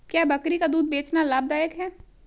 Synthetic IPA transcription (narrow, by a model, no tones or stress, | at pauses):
kjaːbɐkɾikad̪uːd̪̚beːt͡ʃnalaːb̚d̪aːjəkɦɛː